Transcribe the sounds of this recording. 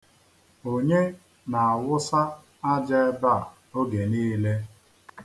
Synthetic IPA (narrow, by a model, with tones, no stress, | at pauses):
o˨ɲe˦ | na˨a˨wʊ˦sa˦ | a˦d͡ʒa˦e˦ba˦˨ | o˦ɡe˨niː˦le˦